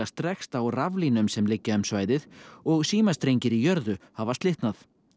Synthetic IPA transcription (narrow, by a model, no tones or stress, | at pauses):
ast̪ɾɛxst̪awravlinʏmsɛmlɪcːaʏmsvaːjðɪðɔɣsiːmḁst̪ɾejɲcɪɾijœɾðʏhavast̪lɪht̪naθ